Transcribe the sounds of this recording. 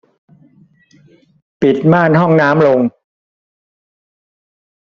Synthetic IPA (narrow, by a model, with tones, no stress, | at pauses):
pi˨˩t̪̚maː˥˩nɦɔ˥˩ŋnaː˦˥mlo˧ŋ